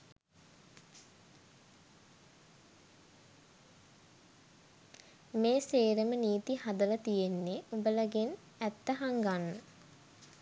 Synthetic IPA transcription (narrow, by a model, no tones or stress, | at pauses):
meːseːɾəməniːt̪ihad̪ələt̪ijenːeubələɡen | æt̪ːəɦaŋɡanːə